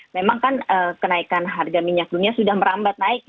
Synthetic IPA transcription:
memaŋkanəkənaikanɦarɡamiɲak̚duniasudahməɾambat̪̚naɪk̚

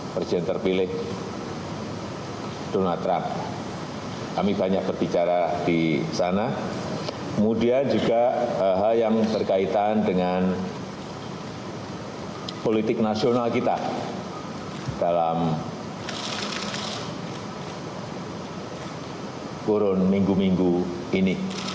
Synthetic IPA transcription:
pɾesidɛnt̪ərpilɪh | d̥onalt̪ɾamp̚ | kamibaɲak̚b̥ərb̥it͡ʃaɾad̥isana | kəmudiand͡ʒuɡaɦaljaŋb̥ərkait̪andəŋan | polit̪ɪk̚nasionalkit̪a | d̥alamm | kuɾʊnmiŋɡumiŋɡu | ini

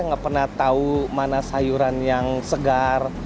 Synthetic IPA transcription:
ŋapərnaht̪aumanasajuɾanjaŋsəɡar

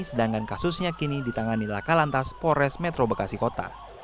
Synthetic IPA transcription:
sədaŋkankasusɲakinidit̪aŋanilakalant̪aspoɾɛsmɛt̪ɾobəkasikot̪a̰

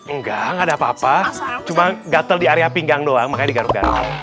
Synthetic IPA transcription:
əŋɡaŋɡadaːpaːpat͡ʃumaɡat̪əldiaɾeapiŋɡaŋdoaŋmakaɲdiɡaɾʊɡa̰ɾʊ̰

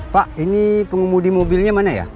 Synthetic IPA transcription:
paʔinipəŋəmudimobilɲamanaja̰

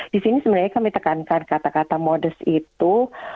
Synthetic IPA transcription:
d̥isinisəbənarɲakamit̪əkankankat̪akat̪amodəsit̪u

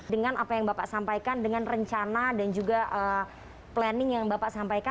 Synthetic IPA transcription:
dəŋanapajaŋbapaʔsampajkandəŋanrəɲt͡ʃanadand͡ʒuɡaʔə | plɛnɪŋjaŋbapaʔsampajka

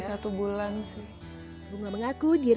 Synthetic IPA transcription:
sat̪ubulansi | buŋaməŋakudiɾ

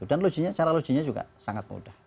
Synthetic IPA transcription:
udanlo̥d͡ʒ̥iɲat͡ʃaɾalo̥d͡ʒ̥i̤ɲad͡ʒuɡa̰saŋat̪̚mṵd̥ah

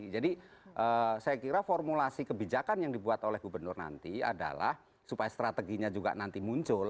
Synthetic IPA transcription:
d͡ʒadiʔəsajakiɾafɔrmulasikəbid͡ʒakanjaŋdibuat̪olɛhɡubənʊrna̰nt̪ia̰da̰la̰h | supajast̪ɾat̪əɡiɲad͡ʒuɡa̰ʔnant̪imuɲt͡ʃʊl

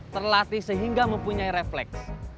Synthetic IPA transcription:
t̪ərlat̪isəɦiŋɡaməmpuɲaiɾeflɛks

